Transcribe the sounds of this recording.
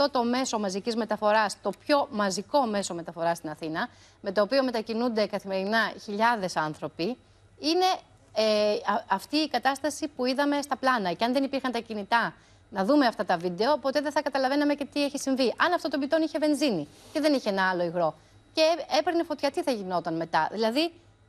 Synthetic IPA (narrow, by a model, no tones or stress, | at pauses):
ft̪o̞t̪o̞me̞so̞mɐzicizme̞t̪ɐfo̞ɾɐst̪o̞pço̞mɐziko̞me̞so̞me̞t̪ɐfo̞ɾɐst̪inɐθinɐ | me̞t̪o̞ːpio̞me̞t̪ɐcinund̪e̞kɐθime̞ɾinɐçiʎɐðe̞sɐnθɾo̞pi | ine̞ | ɐft̪iːkɐt̪ɐst̪ɐsipuiðɐmest̪ɐplɐnɐceɐnðe̞nipiɾxɐnt̪ɐcinit̪ɐ | nɐðume̞ɐft̪ɐt̪ɐvid̪e̞opo̞t̪e̞ðeθɐkɐt̪ɐlɐve̞nɐme̞ce̞t̪ieçisiɱviʔɐnɐft̪o̞t̪obit̪o̞niçeve̞nzinice̞ðe̞niçeenɐɐlo̞iɣɾo̞ | ceepɾinefo̞t̪çɐt̪iθɐʝino̞t̪ɐnme̞t̪ɐðilɐði